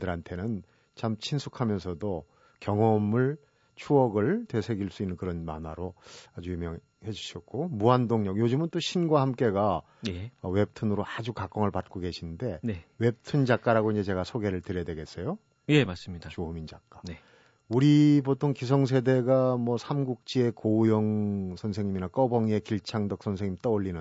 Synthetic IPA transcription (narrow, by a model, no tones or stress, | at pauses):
dɯɾɦantʰe̞nɯn | t͡ɕamt͡ɕʰinsʰukʰamjʌns̬ʰʌdo | kjʌŋʌmɯɭ | t͡ɕʰuʌɡɯɭtwe̞sʰe̞ɡiɭs͈uinːɯnkɯɾʌnmanaɾoad͡ʑuimjʌŋ | he̞d͡ʑuɕʰʌt̚k͈omuandoŋɲʌk̚jod͡ʑɯmɯnt͈oɕʰinɡwaɦamk͈e̞ɡa | jʌwe̞p̚tʰɯnɯɾoad͡ʑukak͈ʌŋɯɭpat̚k͈oɡe̞ɕʰinnde̞newe̞p̚tʰɯnd͡ʑak͈aɾaɡoiɲd͡ʑet͡ɕe̞ɡasʰoɡe̞ɾɯɭtɯɾjʌdwe̞ɡe̞s͈ʌjo | jemas͈ɯmɲidat͡ɕoɦumind͡ʑak͈ane | uɾipotʰoŋkisʰʌŋs̬ʰe̞de̞ɡamwʌsʰamɡuk̚t͡ɕ͈ie̞kojʌŋsʰʌnsʰe̞ŋɲiminak͈ʌbʌŋie̞kiɭt͡ɕʰaŋdʌk̚sʰʌns̬ʰe̞ŋɲimt͈ʌoʎːinɯn